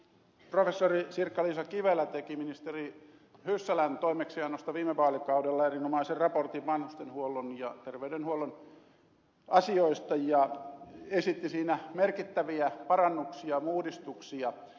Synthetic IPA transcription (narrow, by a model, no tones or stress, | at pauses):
profesːorisirkːɑlisɑkiʋelːˑæt̪ekiminist̪eri | hysːælænt̪oimeksiɑnːost̪ɑʋiːmːepɑːlikɑudelːɑerinomɑiserɑport̪iʋʋɑnhust̪enhuolːonjɑt̪erʋeydenhuolːon | ɑsioist̪ɑjɑ | esit̪ːisiːnæmerkit̪ːæʋiæpɑrɑnːuksiɑmuːdist̪uksiɑ